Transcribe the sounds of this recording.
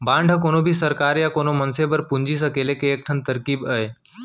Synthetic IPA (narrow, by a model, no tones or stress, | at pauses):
bãɳɖʱəkoːnobʱisəɾkaːɾjakoːnomənsebəɾpuɲd͡ʒis̬əkelekeːk̚ʈʰənt̪əɾkiːbəe